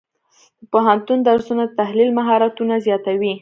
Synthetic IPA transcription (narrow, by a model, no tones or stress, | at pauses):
d̪̥əpoɦant̪und̪aɾsunaət̪ahlilmaɦɑɾat̪unazjɑt̪awi